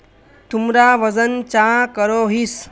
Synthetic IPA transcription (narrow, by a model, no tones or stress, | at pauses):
t̪umɾaʋəd͡zənt͡ɕãkəɾoɦiːs